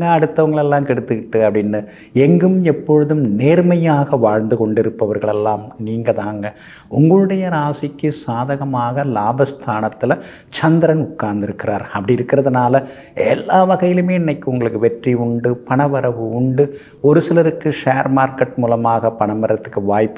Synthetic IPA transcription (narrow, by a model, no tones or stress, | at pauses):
ɐɐɽɯt̪ːɐʋɐŋɡɐɭɛlːaːmkɛɽɯt̪ːɯkɪʈːɯɐpɐɽɪnːɯ | ɛŋɡɯmɛpːɔɻɯðɯmneːɾmɐjaːɣɐʋaːɻnd̪ɯkɔɳɖɪɾɯpːɐʋɐɾɣɐɭɛlːaːmniːŋɡɐðaːŋɡɐ | ʊŋɡɐɭɯɽɐjɐɾaːsɪkːɯsaːðɐɣɐmaːɣɐlaːbɐst̪ʰaːnɐt̪ːɪlɐ | t͡ʃɐnd̪ɪɾɐnʊʈkːaːɾnd̪ɪɾɯkːɪraːɾɐpːɐɽɪiɪɾɯkːɪrɐðɐnaːlɐ | ɛ̰lːaːʋɐɣɐjɪlɯmeːnːɐɪkːɯʊŋɡɐɭɯkːɯʋɛʈriʊɳɖɯpɐɳɐʋɐɾɐʋɯʊɳɖɯ | ɔɾɯsɪlɐɾɯkːɯʂaːɾmaːɾkɐʈ̚muːlɐmaːɣɐpɐɳɐmːɐɾɐt̪ːɯkːɯʋaːjpː